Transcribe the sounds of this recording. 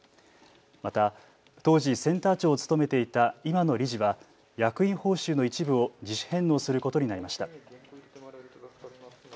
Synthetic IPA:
mat̪a | t̪o̞ːʑisẽ̞nt̪aːt͡ɕo̞ːt͡sɨ̥t̪o̞me̞t̪e̞it̪aimano̞ɾʲiʑiβa | jakɯ̟ĩɰ̃ho̞ːɕɨːno̞it͡ɕibɯ̟o̞d͡ʑiɕi̥hẽ̞nːo̞ːsɨɾɯ̟ko̞t̪o̞ɲ̟inaɾimaɕi̥t̪a

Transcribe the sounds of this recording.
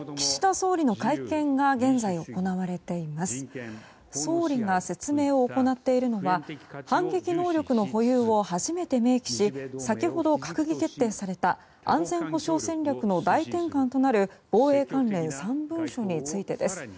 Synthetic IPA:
kʲi̥ɕi̥t̪aso̞ːɾʲino̞kaikẽ̞ŋɡaɡẽ̞nzaio̞ko̞naβaɾe̞t̪e̞imasɨ̥ | so̞ːɾʲiŋase̞t͡sɨme̞ːo̞ːko̞nat̪ːe̞iɾɯ̟no̞βahãŋɡe̞kʲino̞ːɾʲo̞kɯ̟no̞ɦo̞jɯ̟ːo̞haʑime̞t̪e̞me̞ːkʲi̥ɕisakʲiho̞d̪o̞kakɯ̟ɡʲike̞t̪ːe̞ːsaɾe̞t̪a | ã̰nd͡zẽ̞ɰ̃ho̞ɕo̞ːsẽ̞ɲʲɾʲakɯ̟no̞d̪ait̪ẽ̞ŋkãnt̪o̞naɾɯ̟b̥o̞ːe̞ːkãnɾẽ̞ñsãmbɯ̟̃ɰ̃ɕo̞ɲ̟it͡sɨit̪e̞d̪e̞sɨ̥

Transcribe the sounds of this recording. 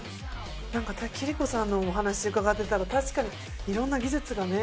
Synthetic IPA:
nãŋkat̪akʲiɾʲiko̞sãnːo̞ːɦanaɕid̪eɯ̟kaɡat̪ːe̞t̪aɾat̪aɕi̥kaɲ̟i | iɾõ̞nːaɡʲizɨt͡sɨɡane̞

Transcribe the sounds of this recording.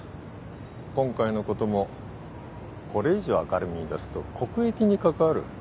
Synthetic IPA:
kõ̞ŋkaino̞ko̞t̪o̞mo̞ | kʰo̞ɾe̞iʑo̞a̰kaɾɯ̟mʲid̪asɨ̥t̪o̞kʰo̞kɯ̟e̞kʲiɲ̟ikakaaɾɯ̟̰

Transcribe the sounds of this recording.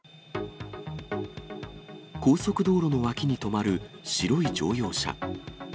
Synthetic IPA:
ko̞ːso̞kɯ̟d̪o̞ːɾo̞no̞βakʲiɲ̟it̪o̞maɾɯ̟ɕiɾo̞id͡ʑo̞ːjo̞ːɕa̰

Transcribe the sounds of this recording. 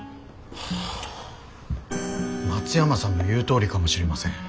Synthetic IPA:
mat͡sɨjamasãnːo̞jɯ̟ːt̪o̞ːɾʲikamo̞ɕiɾe̞masẽ̞ŋ

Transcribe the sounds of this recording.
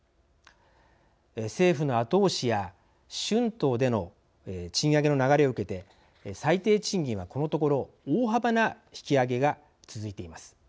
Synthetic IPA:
ese̞ːɸɯ̟no̞at̪o̞ːɕija | ɕɨ̃nt̪o̞ːd̪e̞no̞ | t͡ɕĩɰ̃aɡe̞no̞naɡaɾe̞o̞ɯ̟ke̞t̪e̞ | sait̪e̞ːt͡ɕĩŋɡʲĩɰ̃βako̞no̞t̪o̞ko̞ɾo̞ | oːɦabana | çi̥kʲiaɡe̞ɡa | t͡sɨzɨit̪e̞imasɨ̥

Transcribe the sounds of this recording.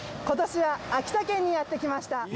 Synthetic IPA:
ko̞t̪o̞ɕiβaːkʲi̥t̪akẽ̞ɲ̟ːijat̪ːe̞kʲimaɕi̥t̪a

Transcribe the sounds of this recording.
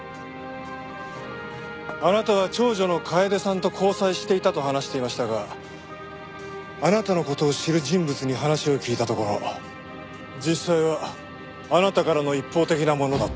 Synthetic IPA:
anat̪aβ̞at͡ɕo̞ːʑo̞no̞kʰaed̪e̞sãnt̪o̞kʰo̞ːsaiɕi̥t̪e̞it̪at̪o̞hanaɕi̥t̪e̞imaɕi̥t̪aɡa | anat̪ano̞ko̞t̪o̞ːɕiɾɯ̟ʑĩmbɯ̟t͡sɨɲ̟iɦanaɕio̞kʲiːt̪at̪o̞ko̞ɾo̞ | d͡ʑisːaiβaː | nat̪akaɾano̞ipːo̞ːt̪e̞kʲinamo̞no̞d̪a

